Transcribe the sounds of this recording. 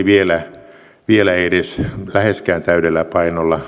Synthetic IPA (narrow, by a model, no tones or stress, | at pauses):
ʋielæ | ʋielæedeslæheskæːnt̪æyɾelːæpɑinolːɑ